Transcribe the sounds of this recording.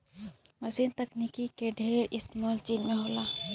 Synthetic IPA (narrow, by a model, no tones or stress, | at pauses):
mɐsiːnt̪ɐknikikeɖʱeːɾeɾʔɪst̪mɔːlt͡ʃiːnmẽɦoːlaː